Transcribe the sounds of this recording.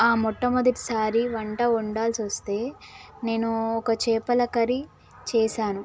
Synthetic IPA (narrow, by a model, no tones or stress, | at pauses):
aːmɔʈːɐmɐd̪ɐʈi̥saːɾiʋɐɳʈɐuɳɖaːlsiʋɐst̪e̞ːne̞ːnuɔkɐt͡ʃɛːpɐlɐkɐɾi | t͡ʃɛːʃaːnu